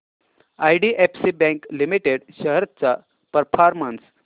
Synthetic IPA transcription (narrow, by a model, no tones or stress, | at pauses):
ajɽiʔepsibɛ̃ŋklimiʈeɽɕəɦɾət̪t͡sa | pəɾfʰaɾməns